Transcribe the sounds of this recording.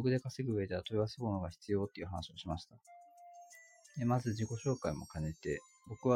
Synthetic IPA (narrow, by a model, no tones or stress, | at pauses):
oɡɯ̟d̪e̞kaseɡɯ̟ɯ̟e̞d̪eat̪o̞iβasemonoɡaçi̥t͡sɨjo̞ːt̪ːe̞iɯ̟ɦanaɕio̞ɕimaɕi̥t̪a | d̪e̞mazɨd͡ʑiko̞ɕo̞ːkaimo̞̰kane̞t̪e̞ | bo̞kɯ̟βa